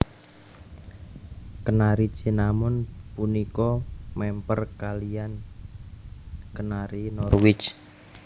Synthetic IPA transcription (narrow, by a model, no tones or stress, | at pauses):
kənaɾi̥t͡ʃinamʊnpunikɔmɛmpərkalijan | kənaɾinɔrwɪt͡ʃ